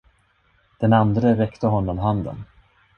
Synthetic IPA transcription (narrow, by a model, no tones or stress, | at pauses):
d̪̥ɛnand̪ɾəɾɛkt̪ʰəɦɔnːɔmɦand̪ə̰n